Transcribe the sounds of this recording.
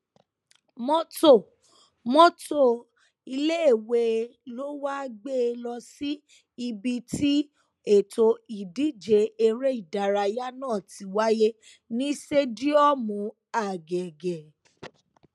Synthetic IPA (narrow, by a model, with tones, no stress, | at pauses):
mɔ̃˦to˦˨ | mɔ̃˦to˦˨ | i˧le˦e˦˨we˧lo˦wa˦ɡ͡be˦˧lɔ˧si˦ | i˧bi˧ti˦ | e˦˨to˧i˨di˨˦d͡ʒe˨˧e˧ɾe˦i˦˨da˨ɾa˧ja˦nãː˦˨ti˨˦wa˦je˦ | nĩ˦ʃe˦di˦ɔ˦˨mũ˨˦ | a˨ɡɛ˨ɡɛ˨